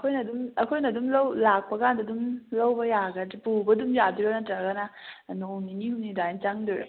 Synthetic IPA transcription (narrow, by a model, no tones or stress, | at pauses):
ɐkʰojnɐdumɐkʰojnɐdumlɐwlak̚pɐkʰandɐdumlɐwbɐjaɡɐpubɐdumjadiɾɐnɐtɐɡɐnɐnoninihumnidat͡ʃaŋdɔɾa̰